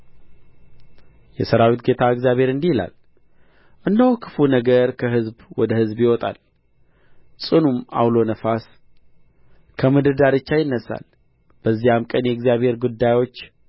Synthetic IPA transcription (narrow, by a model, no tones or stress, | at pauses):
jɛsəɾawit̪ɡe̞t̪ʰaɨɡzjaβhe̞ɾɨnd̪ihla̰l | ʔɨnd̪əhkʰɨ̥funəɡəɾkʰəɦɨzbwɔd̪əhɨzbjɪwɔt̪ʼa̰l | sʼɨnuma̰wlo̞nəfas | kʰəmɨd̪ɨd̪aɾɨt͡ʃːajɪnːəsːa̰l | b̥əzːihamkʼənjɛɡzijaβhe̞ɾɡud̪ːajwo̞t͡ʃː